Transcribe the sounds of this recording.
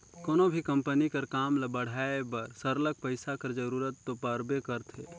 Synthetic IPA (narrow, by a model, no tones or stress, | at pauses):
koːnobʱikə̃mpənikɐɾkaːmləbəɽ̤aːebɐɾsəɾlək̚pəɪsakɐɾd͡ʒəɾuːɾət̪ːopəɾbekəɾt̪ʰḛː